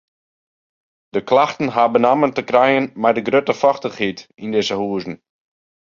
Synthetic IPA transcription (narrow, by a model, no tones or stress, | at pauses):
d̥əklaxtn̩ɦabənaməntəkrɛjənmɛjdəɡrøtəfɔxtəχhitindɪzəhuəzn̩